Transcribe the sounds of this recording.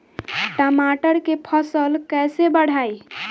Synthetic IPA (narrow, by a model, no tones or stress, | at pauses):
ʈəmaʈəɾkepʰəsəlkɛsebəɽ̤ai